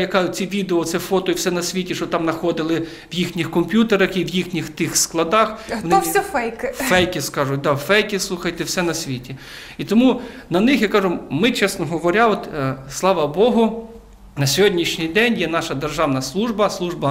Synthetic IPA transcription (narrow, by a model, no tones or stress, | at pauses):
jɐkɑjʊt͡sʲiʋʲid̪eɔt̪sɛfɔt̪ɔiwsɛnɐsʲʋʲitʲiʃɔt̪ɑmnɐxɔd̪ɪlˠɪ | ʋjixnʲixkɔmpʲjut̪eɾɐxiʋjixnʲixt̪ɪxsklˠɐd̪ɑxnsʲɛfɛjkfɛjkʲiskɑʒʊt̚ʲd̪ɑwfɛjkʲislˠuxɐjt̪ɛwsɛnɐsʲʋʲitʲi | it̪ɔmu | nɐnɪxjakɑʒʊmɪt͡ʃɛsnɔɦɔʋɔɾʲaɔt̪slˠɑʋɐbɔɦʊ | nɐsʲɔɦɔdʲnʲiʃnʲijd̪ɛnʲjɛnɑʃɐd̪erʒɑwnɐslˠuʒbɐslˠuʒbɐ